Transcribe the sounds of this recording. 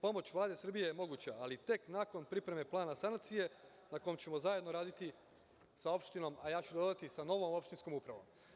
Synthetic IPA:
po̞mo̞t͡ɕʋlˠaːd̪e̞sr̩bijejemo̞ɡuːt͡ɕaalit̪e̞knako̞npɾipɾeme̞plˠaːnasankt̪sije̞ | nako̞jomt͡ɕe̞mo̞zaje̞d̪no̞ɾaːd̪it̪i | sao̞pʃt̪ino̞majaːt͡ɕud̪od̪at̪isano̞ʋo̞mo̞pʃt̪inskomupɾaʋo̞̰m

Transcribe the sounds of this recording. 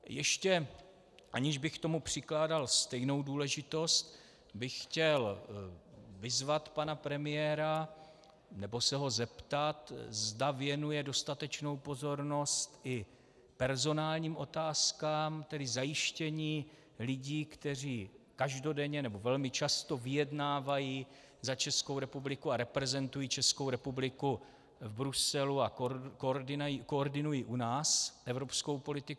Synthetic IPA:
jɛʃcɛ | ʔaɲɪʒbɪxkt̪o̞mupr̝̥ɪklaːdalst̪ɛjno̞wduːlɛʒɪt̪o̞st̪̚ | bɪxːcɛl | vɪzvat̪panapɾɛmɪjɛɾa | nɛbo̞sɛɦo̞zɛpt̪at̪zdavɪjɛnujɛdo̞st̪at̪ɛt͡ʃno̞wpo̞zo̞ɾno̞st̪ʔɪ | pɛɾzo̞naːlɲiːmʔo̞t̪aːskaːmt̪ɛdɪzajɪʃcɛɲiː | lɪɟiːkt̪ɛr̝iːkaʒdo̞dɛɲɛnɛbo̞vɛlmɪt͡ʃast̪o̞vɪjɛdnaːvajiː | zat͡ʃɛskowɾɛpublɪkuaɾɛpɾɛzɛnt̪ujiːt͡ʃɛsko̞wɾɛpublɪku | vbɾusɛluakoɪjikoːɾdɪnujiːʔunaːsʔɛvɾo̞psko̞wpo̞lɪt̪ɪk

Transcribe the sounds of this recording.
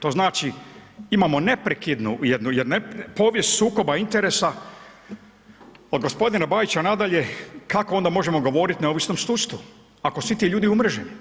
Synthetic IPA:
t̪o̞znaːt͡ʃiimamo̞ne̞pɾekid̪nujed̪nujed̪npo̞ːʋje̞st̪suːko̞baint̪e̞ɾesa | od̪̚ɡo̞spo̞d̪inabaːjit͡ɕanad̪aʎe̞kakoo̞nd̪amo̞ʒe̞mo̞ɡo̞ʋo̞ːɾit̪ne̞oʋisnomst̪ust̪u | ako̞sʋit̪iʎuːd̪iumr̩ʒem

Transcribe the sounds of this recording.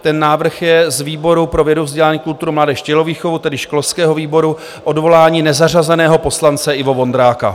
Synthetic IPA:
t̪ɛnːaːvr̩xjɛzviːbo̞ɾupɾovjɛduvzɟɛlaːɲiːkult̪uɾumlaːdɛːʃcɛloviːxovut̪ɛdɪʃklofskɛːɦoviːbo̞ɾu | ʔo̞dvo̞laːɲiːnɛzarazɛnɛːɦo̞po̞slant͡sɛɪvo̞vo̞nd̪ɾaːka̰

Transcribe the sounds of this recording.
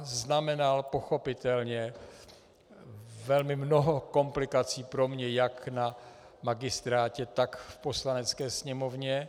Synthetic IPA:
znamɛnalpo̞xo̞pɪt̪ɛlɲɛ | vɛlmɪmno̞ɦo̞ko̞mplɪkat͡siːpɾo̞mɲɛjakna | maɡɪst̪ɾaːcɛt̪akfpo̞slanɛt͡skɛːsɲɛmo̞vɲɛ

